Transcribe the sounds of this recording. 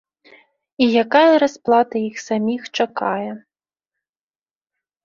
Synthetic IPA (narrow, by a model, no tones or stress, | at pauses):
ijakajɐɾasplˠat̪ɐjixsamʲixt͡ʂakajɛ